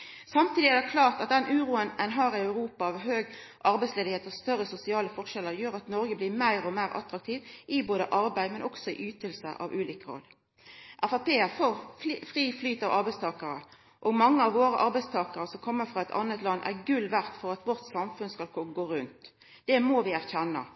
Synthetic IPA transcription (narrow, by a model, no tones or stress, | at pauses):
sɑmt̪ʰiːd̪ɪæʁd̪ɛkʰlɑːʁt̪ɑt̪̚d̪ɛnʔʉːɾuːənɛnɦɑːʁɪœʉʁuːpɑɑʋɦøːɡ | ʔɑɾbæɪsleːd̪ɪheːt̪əʁst̪œʁːəsʊsɪɑːləfɔʁʃɛləʁjøːʁɑt̪nɔɾɡəbliːmæɪʁɔmæɪʁʔɑ̰t̪ɾɑk̚t̪ʰiːʋʔɪboːd̪əʔɑɾbæɪd̪mɛnʔɔksɔɪ̰ʔyːt̪əlsə̰ʔɑ̰ʋʔʉːliːkəʁɔ̰lː | ʔæfɑpeːəfofʁiːflyːt̪ɑʋʔɑɾbæɪst̪ʰɑːkəɾə | ʔɔɡmɑŋːəɑʋːoːɾəʔɑɾbæɪst̪ʰɑːkɑɾəsɔmkʰɔmːəfʁɑɛt̪ʰɑ̰nːət̪lɑnːʔæ̰ʁɡʉlʋæʁt̪fɔʁɑt̪ʋɔʁt̪sɑmfʉnskɑlkɔɡoːɾʉnt̪ | d̪̥ɛmɔʋɪæʁçɛnːɑ̰